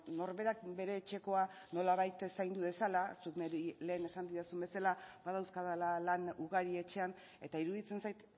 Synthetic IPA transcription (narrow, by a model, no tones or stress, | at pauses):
no̞ɾβe̞ɾakbe̞ɾe̞ːt͡ʃe̞ko̞a | no̞laβajt̪esajnd̪uðe̞salasukneɾile̞ːne̞sand̪iɾasumbe̞salabaðawskaðalalanuɣaɾie̞t͡ʃe̞an | e̞̰t̪aiɾuðit͡se̞nsajt̪